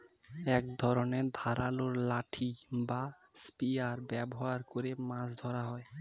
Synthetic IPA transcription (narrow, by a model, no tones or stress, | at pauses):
ɛkd̪ʱɔɾoned̪ʱaɾaloɾlaʈʰiba | spiaɾbɛboɦaɾkoɾemãsd̪ʱɔɾaɦɔe